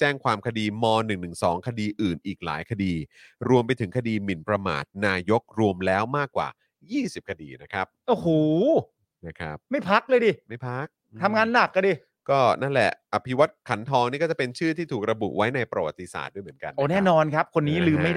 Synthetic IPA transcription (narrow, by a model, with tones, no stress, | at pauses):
t͡ɕɛː˥˩ŋkʰwaː˧mkʰa˧diː˧mɔː˧nɯ˨˩ŋnɯ˨˩ŋsɔ̰ː˩˦ŋkʰa˧diː˧ʔɯː˨˩nʔiː˨˩k̚la̰ː˩˦jkʰa˧diː˧ɾu˧əmpa˧jt̪ʰɯ˩˦ŋkʰa˧diː˧mi˨˩npɾa˧ma̰ː˨˩t̪̚naː˧jo˦˥k̚ɾu˧əmlɛː˦˥wmaː˥˩kːwa̰ː˨˩ | jiː˥˩si˨˩p̚kʰa˧dḭː˧na˦˥kʰɾa˦˥p̚ʔoː˨˩hoː˨˩ | na˦˥˩kʰɾa˦˥p̚ma˥˩jpʰa˦˥k̚lɤː˧jdiː˧˩ma˥˩jpʰa˦˥k̚ | t̪ʰa˧mŋaː˧nːa˨˩kːa˧diː˧˩ | kɔː˥˩na˥˩nlɛ̰˨˩ʔʔa˧˩pʰi˦˥wa˦˥t̪̚kʰa˩˦nt̪ʰɔː˧ŋniː˥˩kɔː˥˩t͡ɕa˨˩pe˧nt͡ɕʰɯː˥˩t̪ʰiː˥˩t̪ʰuː˨˩k̚ɾa˧bṵ˨˩ʔwa˦˥jna˧jpɾa˧wa̰˨˩t̪ːi˧sa̰ː˨˩t̪̚du˥˩jm˩˦ənka̰˧nː˦˧˩nɛː˥˩nɔː˧nkʰa˦˥p̚kʰo˧nːiː˦˥lɯː˧ma˥˩jda